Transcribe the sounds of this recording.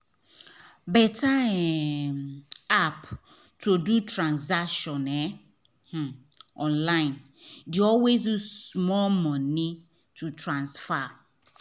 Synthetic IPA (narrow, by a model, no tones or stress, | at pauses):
bɛtaɛ | ap | tʰodutɾãnzakʃɔ̃nɛ | h̩ɔ̃nlaɪ̃n | duɔlwez̬jusmɔmɔ̃ni | tʰutɹãnsfa